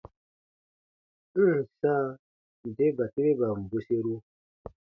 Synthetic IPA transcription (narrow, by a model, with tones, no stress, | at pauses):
n̩˦˨sa˦ | n˨de˦ba˨ti˦ɾe˦ba˨m̩˨bu˦se˦ɾu˦